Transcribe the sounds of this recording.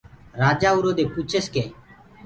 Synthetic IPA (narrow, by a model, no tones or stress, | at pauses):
ɾaːd͡ʒaːuɾoːd̪eːput͡ʃʰeskeː